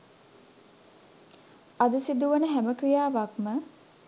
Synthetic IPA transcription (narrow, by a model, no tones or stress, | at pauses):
ad̪əsid̪uʋənəɦæməkɾijaːʋakmə